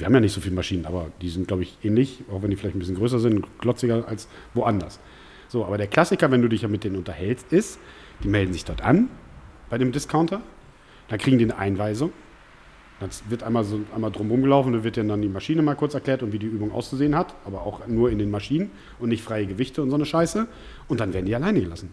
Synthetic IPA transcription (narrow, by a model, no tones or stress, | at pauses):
v̥iːɐhamjaːnɪçtz̥ofiːləmaʃiːnəna̰ːbɐd̥iːzɪntɡ̥laʊbɪçʔɛːnlɪçʔaʊxv̥ɛndifɪlaɪçtn̩bɪsçənɡʁøːs̬ɐzɪntʊnɡ̥lɔt͡sɪɡɐʔa̰ls | voʔandɐs | z̥oːʔaːbɐɾeːɐkʰl̥asɪkɐvɛnduːdɪçjaːmɪt̚d̥eːnənʊntɐhɛlstɪst | d̥iːmɛldn̩zɪçd̥ɔɐtʔa̰nb̥aɪɾeːmdɪskʰaʊntʰɐ | d̥ankʁ̥iːɡŋ̩diːnəʔa̰ɪnvaɪzʊŋ | d̥ant͡svɪɐtʔaɪnmaːlzoʔaɪnmaːldʁʊmʁʊmɡəlaʊfn̩dvɪɐtjadandiːmaʃiːnəmaːlkʰʊɐt͡sɛɐkl̥ɛːɐtʊntviːdiːʔyːbʊŋʔa̰ʊst͡suzeːənɦatʔaːbɐaʊxnuːɐɪndeːnmaʃiːnən | ʊntnɪçtfʁ̥aɪəɡəvɪçtʰəʊntz̥oːnəʃaɪsə | ʔʊnt̚d̥anveːɐdn̩diːalaɪnəɡəlasn̩